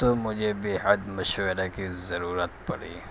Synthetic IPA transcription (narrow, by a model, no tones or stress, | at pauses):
t̪omʊd͡ʒʱebeːɦəd̪mɐʃweɾakizɐɾuːɾət̪pɐ̰ɽḭː